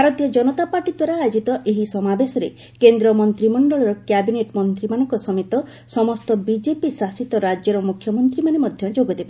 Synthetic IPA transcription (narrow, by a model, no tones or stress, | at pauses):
bʱaɾɔt̪ijɔd͡ʒɔnɔt̪apaɾʈid̪waɾaːjod͡ʒit̪ɔʔeɦisɔmabesɔɾe | kend̪ɾɔmɔnt̪ɾimɔɳɖɔɭɔɾɔkjabineʈmɔnt̪ɾimanɔ̃ŋkɔsɔmet̪ɔ | sɔmɔst̪ɔbid͡ʒepisasit̪ɔɾad͡ʒjɔɾɔmukʰjɔmɔnt̪ɾimanemɔd̪ʱjɔd͡ʒoɡɔd̪ebe